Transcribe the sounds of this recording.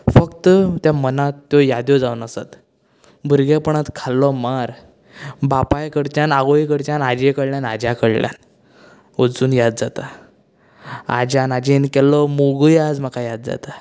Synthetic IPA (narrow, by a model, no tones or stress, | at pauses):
fəkt̪ət̪jamənat̪ːjɔjad̪jɔd͡zaunəsa̰t̪ | bʱuɾɡɛpəɳat̪kʰalːɔmaɾ | bapajkəɽt͡ɕanaɡɔikəɽt͡ɕanad͡ʑekəɽljana̰d͡ʑjakəɽlʲja̰n | od͡zuːnjad̪̚d͡zat̪a | a̰d͡ʑanad͡ʑenkɛlːɔmoɡujad͡zm̤akajad̪̚d͡za̰t̪a